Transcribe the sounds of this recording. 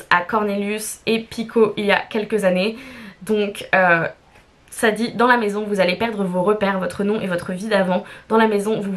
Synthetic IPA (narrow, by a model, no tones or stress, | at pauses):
akɔʁneljysepikʰoʔilja̰kʲɛlkəzaned̪ɔ̃kø | sad̪id̪ɑ̃lamezɔ̃vuzalepɛʁd̪ʁəvoʁəpɛʁvɔt̪χənɔ̃ʔevɔt̪χəvid̪avɑ̃d̪̥ɑ̃lamezɔ̃vu